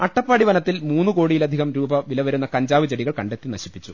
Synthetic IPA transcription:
ɐʈːɐpːaːɽiʋɐnɐt̪ːilmuːnːɨko̞ːɽijilɐd̪ʱiɣɐmɾuːbɐʋilɐʋɐɾunːɐkɐɲd͡ʑaːʋɨt͡ɕeɽiɣɐɭkɐɳɖet̪ːinɐɕipːit͡ɕːu

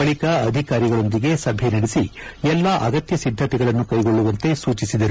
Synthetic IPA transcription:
ɐɭikɐɐd̪ʱikaːɾiɡɐɭo̞nd̪iɡe̞sɐbʱenɐɽesiɛlːɐʔɐ̰ɡɐt̪jɐsid̪ʱːɐt̪ɛɡɐɭɐnːukɐjɡo̞ɭːuʋɐnt̪e̞suːt͡ʃisid̪ɐɾu

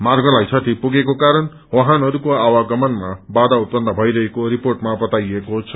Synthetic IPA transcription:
marɡʌlajsʰʌʈ̪ʰipuɡekokaɾʌn | wʌɦãnʌɾukoawaɡʌmʌnmabad̪aut̪̚pʌnd̪ʌbʱʌjɾʌɦekoɾiporʈmabʌt̪ajekoɦt͡sʰʌ

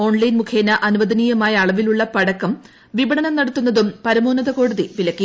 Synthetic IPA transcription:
o̞ːɳlɐjnmukʰeːnɐʔɐnuʋɐd̪ɐniːjɐmaːjɐːɭɐʋiluɭːɐpɐɽɐkːɐm | ʋibɐɳɐnɐmnɐɽɐt̪ːunːɐðumpɐɾɐmoːnɐðɐko̞ːɽuðiʋilɐkːi

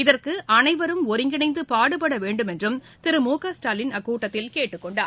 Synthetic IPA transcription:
ɪðɐrkɯʔɐnɐɪʋɐɾɯmɔɾɪŋɡɪɳɐɪnd̪ɯpaːɽɯpɐɽɐʋeːɳɖɯmɛndrɯm | t̪ɪɾɯmoːkaːsʈaːlɪnɐkːuːʈːɐt̪ːɪlkeːʈːɯkːɔɳɖaː

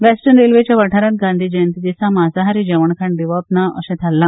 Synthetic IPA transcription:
ʋɛsʈənɖelʋet͡ɕjaʋəʈʰaɾat̪̚ɡãnd̪ʱiːd͡ʑənt̪id̪isãmazaɦaɾid͡ʑəʋəɳkʰãɳɖiʋɔpnaəɕẽt̪ʰalːã

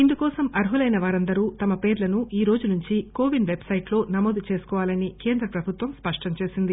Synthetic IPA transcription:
ind̪ukɔːsɐmɐɾɦulɐjnɐʋaːɾɐnd̪ɐɾuːt̪ɐmɐpe̞ːɾlɐnuʔiːɾo̞ːd͡ʒunuɲt͡ʃikoːʋinʋe̞bsɐjʈlo̞ːnɐmoːd̪ut͡ʃe̞ːsu̥kɔːʋaːlɐnike̞ːnd̪ɾɐpɾɐbʱut̪ʋɐmspɐʂʈɐɲt͡ʃe̞ːsind̪i

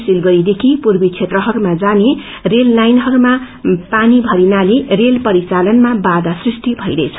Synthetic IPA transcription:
silɡʌɾid̪ekʰipurbit͡sʰet̪rʌɦʌɾumad͡zane | relːajnɦʌɾuma | panibʱʌɾinalerelpʌɾit͡salʌnmabad̪asrisʈ̪ibʱʌjɾʌjt͡sʰʌ̥

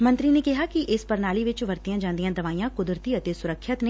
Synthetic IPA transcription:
mə̃nt̪ɾineːkɪɦaːkiʔɪspəɾnaːliʋɪt͡ʃʋəɾt̪ijãːd͡ʒãːnd̪ijãːd̪əʋaːijãːkʊd̪ɾət̪iːət̪eːsʊɾəkʰːət̪ne

